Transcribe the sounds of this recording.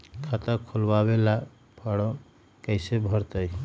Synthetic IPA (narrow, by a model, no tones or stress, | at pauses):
kʰət̪əkʰolbaβela | pʰəɽɔ | kəɪsebʱəɾt̪əj